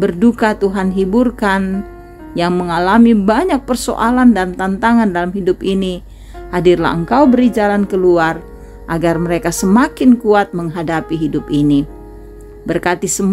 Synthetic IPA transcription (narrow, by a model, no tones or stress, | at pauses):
bərdukat̪uɦanɦiburkan | jaŋməŋalamibaɲak̚pərso̰ʔalandant̪ant̪aŋandalamɦidʊpini | hadirla̰əŋkawbəɾid͡ʒalankəluar | ʔaɡarməɾekasəmakɪnkuat̪̚məŋɦadapiɦidʊpini | bərkat̪isəm